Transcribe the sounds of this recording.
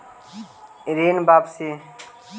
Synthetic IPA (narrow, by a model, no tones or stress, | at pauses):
iɾiːnbaːbsiː